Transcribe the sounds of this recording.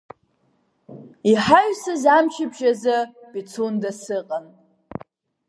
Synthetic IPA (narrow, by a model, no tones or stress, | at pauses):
iħaɥsɨzamʃɪbʒazɨbʼit͡sʰundasɨqʼan